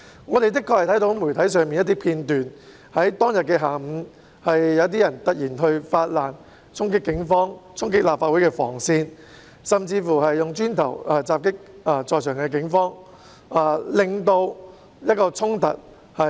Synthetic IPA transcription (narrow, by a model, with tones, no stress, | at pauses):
ŋɔː˨˧t̪e˨jt̪̬ɪ˥kʰːɔː˧k̚hɐ˨jt̪ʰjt̪o˨˥wmu˨˩jt̪ʰɐ˨˥js̬œː˨ŋmi˨njɐ˥t̪i˥pʰiː˧nt̪yː˨n | hɐ˨˥jt̪ɔː˥ŋjɐ˨t̚kɛː˧ɦaː˨˩m̩˨˧˥ | hɐ˨jːɐ˨˧wt̪̬iː˥jɐ˨˩nt̪ɐ˥k̚jiː˨˩nɦɵ˧ɥfaː˧t̚laː˨˩n | t͡sʰʊ˥ŋk̬ɪ˥kːɪ˨˥ŋfɔː˥ŋt͡sʰʊ˥ŋkɪ˥k̚laː˨pfaː˧t̚u˨˥jkɛː˧fɔ̰ː˨˩ŋsiː˧n | sɐ˨˩mt͡siː˧fuː˨˩hɐ˨jːʊ˨ŋt͡ʃyː˥nt̪ʰɐ̰˨˩waː˧t͡saː˧p̚kɪ˥k̚a˧t͡sɔː˨˩jsʰœː˨˩ŋkɛː˧k̬ɪ˨˥ŋfɔː˥ŋ | ʔaː˨˩lɪ˨ŋt̪o˧w | jɐ˥t̚kɔː˧t͡sʰʊ˥ŋt̪ɐ˨t̚ | hɐ˨